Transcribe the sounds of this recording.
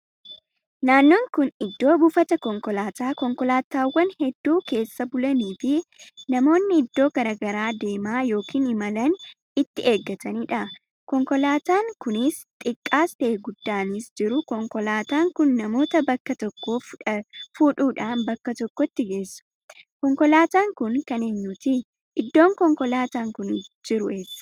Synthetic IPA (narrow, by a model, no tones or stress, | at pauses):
naːnːoːŋkʊnɪd̪ːo̞ːbʊfɐt̪ɐkɔŋkɔlaːt̪aːkɔŋkɔlaːt̪aːwːɐnhɛd̪ːuːke̞ːsːɐbʊlɐniːfɪnɐmo̞ːnːɪɪd̪ːo̞ːɡɐɾɐɡɐɾaːd̪e̞ːmaːjo̞ːkʰiːnɪmɐlɐn | ɪt̪ːɪʔe̞ːɡːɐt̪ʰɐniːᶑɐ | kɔŋkɔlaːt̪aːŋkʊnɪst̪ʼɪkʼːaːst̪ɐʔeɡʊd̪ːaːnisd͡ʒɪɾʊkɔŋkɔlaːt̪aːŋkʊnːɐmo̞ːt̪ɐbɐkːɐt̪ɔkːo̞ːffuːᶑuːᶑaːnbɐkːɐt̪ɔkːɔt̪ːɪɡe̞ːsːʊ̥ | kɔŋkɔlaːt̪aːŋkʊŋkɐneːɲːuːt̪ɪ | ʔɪd̪ːo̞ːŋkɔŋkɔlaːt̪aːŋkʊnd͡ʒɪɾʊeːsːɐ̥